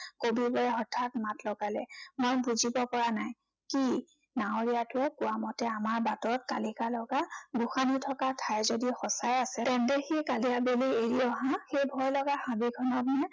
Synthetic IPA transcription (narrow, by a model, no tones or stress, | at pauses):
kobibɔɹɛɔtʰːatmatlɔɡalɛ̰mojbuzibɔpɔɹanaj | ki | naoɹijatʊɛkʊwamɔtɛamaɹbatɔɹɔt̚kalikalɔɡaɡuxanitʰɔkatʰajzodixɔsajasɛɔndexikaliabelieɹiɔɦãxejbʱɔjlɔɡaxabiɡʰʱɔnɔtnɛ